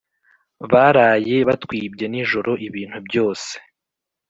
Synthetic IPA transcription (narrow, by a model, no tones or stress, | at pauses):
βaɾaːje̞βatkwiːbɟe̞niʒo̞ɾo̞ʔiβiːn̥hubɟo̞ːse̥